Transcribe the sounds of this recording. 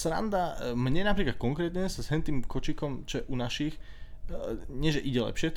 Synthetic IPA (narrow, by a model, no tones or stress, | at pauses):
sɾa̰nd̪amɲɛnapɾiːklat̪̚kɔŋkɾɛːt̪ɲɛsazɦɛnt̪iːmkɔt͡ʃikɔmt͡ʃɔjɛʔunaʃix | ɲɪɛʒɛʔiɟɛlɛ̰pʃɪɛ